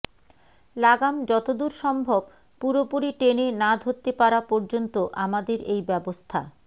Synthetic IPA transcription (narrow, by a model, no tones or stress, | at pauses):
laɡamd͡ʑɔt̪od̪uɾʃɔmbʱob | puɾopuɾiʈenenad̪ʱot̪ːepaɾapɔɾd͡ʑont̪oʔamad̪eɾejbɛbost̪ʰa̰